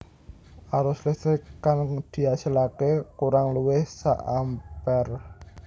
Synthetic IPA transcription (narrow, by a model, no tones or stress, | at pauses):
ʔaɾʊslɪst̪ɾikand̪̥i̤asilakekuɾaŋluwɪhsa̰ʔampɛr